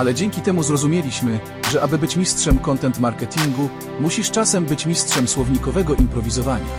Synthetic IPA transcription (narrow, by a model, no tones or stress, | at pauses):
alɛd͡ʑeŋkʲit̪ɛmuzɾɔzumʲelʲiɕmɘ | ʐɛʔabɘbɘt͡ɕmʲistʂɛmkɔnt̪ɛnt̪maɾkɛt̪ʲiŋɡu | muɕiʂt͡ʂasɛmbɘt͡ɕmʲistʂɛmswɔvɲikɔvɛɡɔʔimpɾɔvʲizɔvaɲa̰